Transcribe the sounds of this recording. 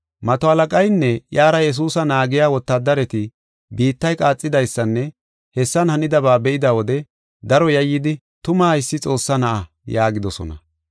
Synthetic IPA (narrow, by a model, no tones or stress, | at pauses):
mɐt̪ɔɐlɐkʼɐjnːɛjaːɾɐjɛs̬uːsɐnaːɡɪjaːwɔt̪ːad̪ɐɾɛt̪ɪ | biːt̪ːɐjkʼaːt͡sʼːɪd̪ɐjsːɐnːɛ | hɛsːɐnhɐnɪd̪ɐβaːbɛʔɪd̪ɐwɔd̪ɛ | d̪ɐɾɔjɐjːɪd̪ɪ | t̪ʊmɐɐɪsːɪt͡sʼo̞ːsːɐnɐʔɐ | jaːɡɪd̪ɔsɔ̰nɐ̰